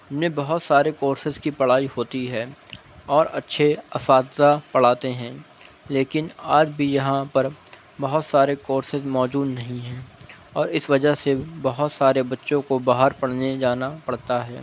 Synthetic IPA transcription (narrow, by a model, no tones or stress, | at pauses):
ɦmnebɐɦʊt̪saːɾekoːɾsɪzkipɐɽ̤aːihoːt̪iɦɛː | ɔːɾɐtːʃʰeɐfaːt̪zapɐɽ̤aːt̪eɦɛ̃ː | leːkɪnaːd͡ʒbʱijɐɦãpɐɾ | bɐɦʊt̪saːɾekoːɾsɪzmɔːd͡ʒuːd̪nɐɦĩɦɛ̃ːɔːɾɪsʋɐd͡ʒəɦsebɐɦʊt̪saːɾebɐtːʃõkobaːɦəɾpɐɽ̤ned͡ʒaːnapɐɽ̤t̪aɦɛ̰ː